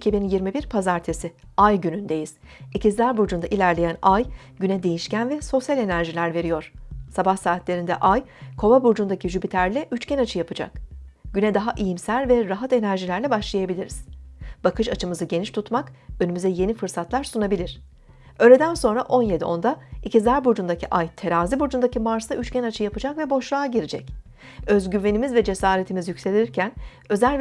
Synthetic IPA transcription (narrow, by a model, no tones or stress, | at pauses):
cʰibinjiɾmibiɾpʰazaɾt̪ʰesiajɟynynd̪e̞jiz̥ | icʰizlʲæɾbuɾd͡ʒund̪aʔilʲæɾlʲejænaj | ɟynɛd̪e̞jiʃcænvɛso̞sjalʲe̞næɾʒilʲæɾve̞ɾijo̞ɾ̥sabahsaːt̪lʲe̞ɾind̪ɛ̰ʔajkʰo̞vabuɾd͡ʒund̪acʰiʒybit̪ʰæɾlʲɛʔyt͡ʃcɛnat͡ʃʰɯjapʰɯd͡ʒa̰k̚ɟ̥ynɛd̪aɦaʔijimsælʲvɛɾaɦat̪e̞næɾʒilʲæɾlʲɛbaʃlˠajabilʲiɾiz̥b̥akʰɯʃat͡ʃʰɯmɯzɯɟe̞niʃt̪ʰut̪makø̞nymyzɛje̞nifɯɾsat̪lˠaɾsunabilʲiɾ̥ | ø̞ːlʲe̞d̪ænso̞nɾaʔo̞nje̞d̪io̞̰nd̪aicizlʲæɾbuɾd͡ʒund̪acʰiʔajt̪ʰe̞ɾaːzibuɾd͡ʒund̪acimaɾsaʔyt͡ʃcɛnat͡ʃʰɯjapɯd͡ʒakvɛbo̞ʃlˠaːɟiɾid͡ʒɛ̰c | ø̞zɟyɾve̞nimizvɛd͡ʒe̞saːɾe̞t̪ʰimizjycse̞lʲiiɾcʰæn | ø̞zælʲ